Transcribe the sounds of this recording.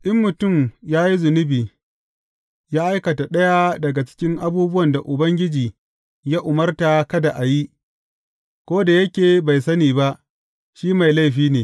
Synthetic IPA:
ʔɪ˦mːʊ˨tʊ˦˨mjaː˦ji˦zʊ˨nʊ˦biː˨ | jaː˦ʔa˦jkɐ˨ta˨ɗɐ˦ja˦dɐ˨ɡa˨t͡ʃɪ̥˦kʲɪ˦ŋʔa˦buː˦bʊ˦wɐ˨nda˨ʔʊ˨bɐ˦ŋɡʲɪ˦d͡ʒiː˨ | jaː˦ʔʊ˨mɐ˦rta˨kɐ˦da˨ʔa˨ji˦ | kʷoː˦da˨jɐ˦kʲeː˨ba˨jsɐ˦niː˨ba˦ʔ | ʃiː˦ma˨jla˦jɸiː˦neː˨

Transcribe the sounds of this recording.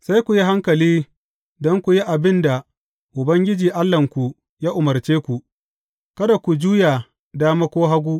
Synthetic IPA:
sa˦jkʷu˨ji˦ɦa˦ŋkɐ˨liː˦ | dɔ˦ŋkʷu˨ji˦ʔa˨bɪ˦nda˨ | ʔʊ˨bɐ˦ŋɡʲɪ˦d͡ʒiː˨ʔa˦lːɐ˨ŋkʷu˨ | jaː˦ʔʊ˨mɐ˨rt͡ʃeː˦kʷu˨ʔ | kɐ˦da˨kʷu˨d͡ʒuː˦ja˨ | daː˦ma˦kʷoː˦ɦa˦ɡʷuː˦

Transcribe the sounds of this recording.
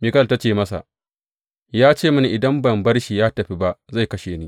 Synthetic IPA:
mi˨kɐ˦lta˦t͡ʃeː˨mɐ˦sa̰˨ | jaː˦t͡ʃeː˦˨mʊ˦ni˨ʔɪ˨dɐ˦mbɐ˨mbɐ˦rʃiː˨jaː˦tɐ˨ɸi˦ba˦ʔza˦˨jkɐ˦ʃeː˨niː˦

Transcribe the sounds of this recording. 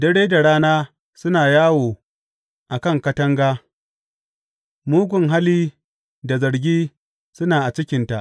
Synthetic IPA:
dɐ˦ɽeː˦da˨ɽaː˦naː˦ | sʊ˦naː˨jaː˦woː˨ | ʔa˨kɐ˦˨ŋkɐ˦tɐ˦ŋɡaː˦ | muː˦ɡʷʊ˨ŋɦa˦liː˦ | da˨zɐ˨ɽɡʲiː˦ | sʊ˦naː˨ʔa˨t͡ʃɪ˦kʲɪ˨nta˨ʔ

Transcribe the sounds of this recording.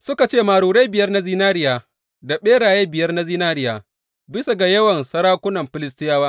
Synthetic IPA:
sʊ˦ka˨t͡ʃeː˦˨maː˨ɽuː˨ɾe˦jbɪ˨jɐ˦rna˦ziː˦naː˦ɾɪ˦jaː˨ | da˨ɓeː˦ɽaː˨je˦bɪ˨jɐ˦rna˦ziː˦naː˦ɾɪ˦jaː˨ | bɪ˦sa˨ɡa˨jɐ˦wɐ˨nsɐ˦ɾaː˦kʷʊ˦nɐ˨mɸɪ˨lɪ˦stɪ˦jaː˦waː˦

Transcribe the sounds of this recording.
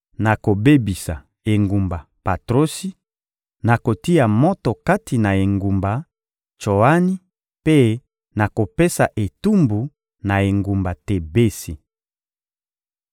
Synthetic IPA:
na˨ko˨be˦bi˨sa̰˨ | e˨ŋɡu˨mba˨ | pa˨tʁo˦si˦ | na˨ko˨ti˦a˨mɔ˦tɔ˨ka˦tʰi˨na˨e˨ŋɡu˨mba˨ | t͡ʃo˨a˦ni˦ | pe˦ | na˨ko˨pe˦sa˨ʔe˨tu˦mbu˨ | na˨e˨ŋɡu˨mba˨te˨be˦si˨

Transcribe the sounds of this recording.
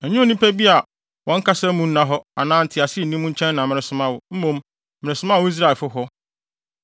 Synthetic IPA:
æ˨ɲũ˦o˨nĩ˦pʰæ˦bi˦a˨ | wʔɔ̃˦ŋ̩˦kʰa˦sa˦mũ˦n̩˦nã˦ɦɔ˦a̰˨nãː˦n̩˨tʰɪ˨a˨sɪ˦˨nĩ˦mũ˦t͡ɕʰɛ̃˦nːã˨mɪ̃˨ɾɪ̃˨sʊ˦mã˦wʊ˨m̩˦mõ˨m | mɪ̃˨ɪ˨sʊ˦mã˦˨wʊ˦i˦s̬ɾa˦˨lfʊ˦ɦɔ˦

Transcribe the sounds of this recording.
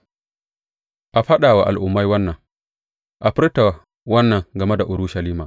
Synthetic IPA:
ʔa˨ɸɐ˦ɗaː˨wa˨ʔa̰˨lʔʊ˨mːa˦jwɐ˦nːɐ˨ŋ | ʔa˨ɸɪ˦ɾta˨ | wɐ˦nːɐ˨ŋɡɐ˨mɛ˦da˨ʔʊ˨ɾu˦ʃa˨liː˦maː˨

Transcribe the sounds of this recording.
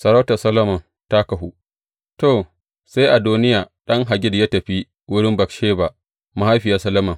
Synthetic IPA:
sɐ˨ɾa˦tɐ˨sɐ˦lɐ˦mɐ˨n | ta˦kɐ˨ɦu˦ | toː˨ | se˦jʔa˨duː˦nɪ˦jaː˨ɗɐ˦ŋɦa˨ɡʲɪ˦dja˦tɐ˨ɸi˦ | wʊ˦ɽɪ˦mbɐ˨kʃeː˦ba˨ | ma˨ha˦jɸɪ˨jaː˦sɐ˦lɐ˦mɐ˨

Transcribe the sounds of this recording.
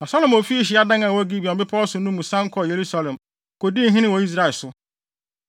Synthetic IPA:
nã˨sɔ˦lɔ̃˨mo˨fi˦ɕɪ˨˦a˦dã˦ŋã˨wɔ˦ɡi˦bi˨ɔ̃˨˦bɪ˦pʰɔ˦sʊ˨nũ˦mũ˨sã˦ŋ̩˦kʰɔ˦˨je˨ɾu˦sa˦lɛ̃˨m | ko˨di˦ɦĩ˦nɪ̃˦wo˨i˦s̬ɾa˨ɪ˨sʊ˦

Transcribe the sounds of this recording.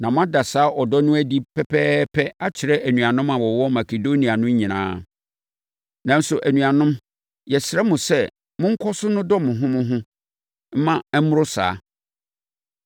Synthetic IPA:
nã˨mʊ̃˦a˦da˨saː˨˦ʔɔ˨dɔ˦nʊ̃˦æ˦di˦pʰɛ˦pʰɛː˦pʰɛ˦a˦t͡ɕʰɪ˨ɾɛ˦ʔæ˨nũ˨a˨nʊ̃˦mã˨wɔ˨wɔ˦ma˨ke˨do˦nĩ˨a˨nʊ̃˦ɲĩ˨nã̰ː˦ | nã˨n̩˦sʊ˨ʔæ˨nũ˨a˨nʊ̃˦m | jɛ˨sɪ˨ɾɛ˦mʊ̃˨sɛ˦ | mʊ̃˦ŋ̩˦kʰɔ˦sʊ˦nʊ̃˦dɔ˦mʊ̃˨ɦʊ̃˦mʊ̃˦ɦʊ̃˦ | m̩˦mã˦ɛ˦mʊ̃˦ɾʊ˦sa̰ː˨˦

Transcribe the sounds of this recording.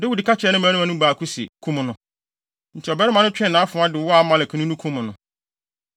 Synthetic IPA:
dɪ˦wu˨di˨kʰa˦t͡ɕʰᶣɛ˨˦nʊ̃˦mã˨˦nʊ̃˦ã˨nʊ̃˦ba˨kʰu˦sḭ˨kʰũ˦mʊ̃˨nʊ̃˦ | n̩˨t͡ɕʰi˨ɔ˨bɛ˦ɾɪ˦mã˨nʊ̃˦t͡ɕᶣɛ̃˦˨nã˨˦fʊ̃˨˦ã˦dɪ˨wɔ˦a˨˦mã˨lkʰĩ˨˦nũ˦nũ˦kʰũ˦mʊ̃˨nʊ̃˨

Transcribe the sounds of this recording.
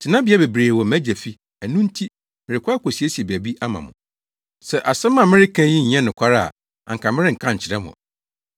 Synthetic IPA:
tʰɪ˨nã˦bɪ˨˦ɛ˦be˨bɾeː˨wɔ˨mæ˦d͡ʑæ˨fi˦ | æ˨nũ˦n̩˦tʰi˦ | mɪ̃˨ɾɪ˨kʷa˦kʷʰɔ˨si˨e˦si˨e˨bæ˨bi˦ʔa˦mã̰˨mʊ̰̃˨ | sɛ˦˨ʔa˨sɛ˦mã˦˨mɪ̃˦ɾɪ˦kʰæ̃˦jɪ̃˦ɲ̩˨ɲɛ̃˦nɪ̃˨kʷʰa˦ɾa˦a̰˨ | a̰˨ŋ̩˨kʰã˨mɪ˦ɪ˦ŋ̩˨kʰã˦ɲ̩˨t͡ɕʰɪ˨ɾɛ˦mʊ̰̃˨

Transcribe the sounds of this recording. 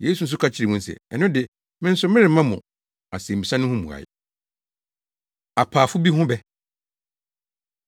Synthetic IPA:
je˦s̬u˨n̩˦s̬ʊ˦kʰa˦t͡ɕʰɪ˦ɾɪ˨mʊ̃˦n̩˦sɛ̰˨ɛ˨nʊ̃˦dɪ˨ | mɪ̃˦n̩˦sʊ˦mɪ̃˦ɾɪ̃˨˦mã˦mʊ̃˨ | a˨sẽ˨m̩˨bi˨sã˦nʊ̃˦hʊ̃˦mṵ̃˨a̰˨ɪ̰˨ | a˨pʰaː˨fʊ˦bi˦ɦʊ̃˦bɛ˦

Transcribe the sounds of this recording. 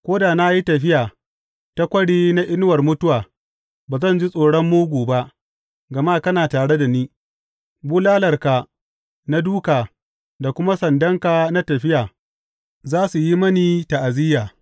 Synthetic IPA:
kʷoː˦da˨na˦ji˦tɐ˨ɸɪ˦jaː˨ | ta˦kʷɐ˦ɽiː˦na˦ʔɪ˦n˦wɐ˨rmʊ˦tʊ˦waː˨ | baː˨zɐ˦˨nd͡ʒi˦sʼoː˨ɽɔ˦mːuː˦ɡʷuː˨ba˦ʔ | ɡɐ˨maː˦kɐ˦naː˨taː˨ɽe˦da˨niː˦ | buː˦laː˦lɐ˨rka˨ | na˦duː˦kaː˨ | da˨kʷʊ˦ma˦sɐ˨ndɐ˦ŋkaː˨na˦tɐ˨ɸɪ˦jaː˨ | zaː˦su˨ji˦mɐ˦niː˨ta˨ʔa˨zɪ˦jaː˨

